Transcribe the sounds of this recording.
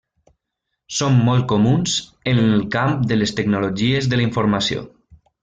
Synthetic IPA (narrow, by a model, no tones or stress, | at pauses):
somːɔlˠt̪̚komunzənlˠkamp̚d̪əlest̪əknuloʒiezðələiɱfuɾmasio̰